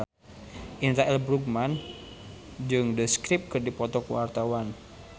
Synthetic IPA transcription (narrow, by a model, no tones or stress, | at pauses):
ʔinraɛlbɾukman | d͡ʒɨŋdəskɾip̚kɨrdipɔt̪ɔkuwart̪awan